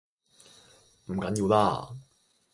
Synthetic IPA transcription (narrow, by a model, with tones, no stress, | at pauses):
m̩˨˩kɐ˨˦nji˧wlaː˧